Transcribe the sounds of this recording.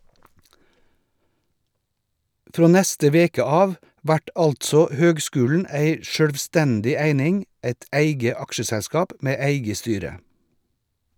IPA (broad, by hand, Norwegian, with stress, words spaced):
ˈfɾoː ˈnæstə ˈʋeːkə ˈɑːʋ ˈʋæʈ ˈɑltsɔ ˈhøːɡˌskʉːln̩ ˈæɪ ʃœɽʋˈstɛndɪ ˈæɪnɪŋ ˈæɪt ˈæɪɡə ˈɑkʃəsɛˌskɑːp ˈmeː ˈæɪɡə ˈstyːɾə